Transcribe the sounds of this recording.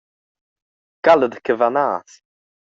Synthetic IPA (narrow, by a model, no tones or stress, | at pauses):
ɡ̥aləd̪kʰəvanaːθ